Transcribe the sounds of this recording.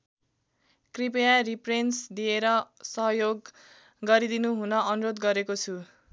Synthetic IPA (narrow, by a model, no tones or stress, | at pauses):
kripejariprensd̪ieɾʌsʌɦʌjoɡ | ɡʌɾid̪inuɦunʌʔʌnuɾod̪ɡʌɾekot͡sʰu